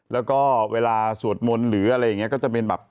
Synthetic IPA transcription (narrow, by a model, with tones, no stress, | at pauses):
lɛː˦˥wkɔː˥˩weː˧laː˧su˨˩ət̪̚mo˧nɾɯː˩˦ʔa˧ɾa˧jːa˨˩ŋːi˦˥˦kɔː˥˩t͡ɕa˨˩pe˧nbɛ̰ː˨˩p̚